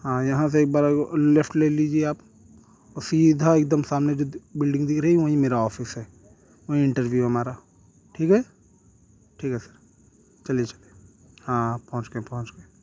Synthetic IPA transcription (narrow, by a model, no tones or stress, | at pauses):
ɦãːjɐɦãs̬eeːk̚baːɾlefʰʈleːlid͡ʒieaːp | ɔsid̪ʱaeːkd̪əmsaːmned͡ʒoːbɪlɖɪ̃ŋɡd̪ɪkʰɾəɦiʋɐɦĩmeːɾaɔːfɪsɦɛː | ʋɐɦĩɪ̃ɳʈəɾʋjuɦɐmaːɾa | ʈʰiːkɦɛː | ʈʰiːkɦɛsɐ̥ɾ | t͡ʃɐlet͡ʃɐlije | hãːpɐɦʊ̃t͡ʃɡepɐɦʊ̃t͡ʃɡeː